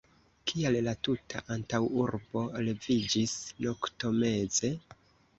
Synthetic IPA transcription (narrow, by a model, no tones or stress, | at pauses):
kʰiallatutʰa̰ʔantawuɾbo̞le̞vid͡ʒisno̞kto̞me̞ze̞